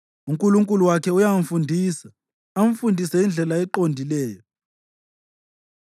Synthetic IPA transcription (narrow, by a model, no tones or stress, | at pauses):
uŋkʼuluŋkʼuluwakʰɛujamɱ̩fundʱiːsa | am̩fundʱisajind͡ɮʱɛlaɛǃondʱilɛːjɔ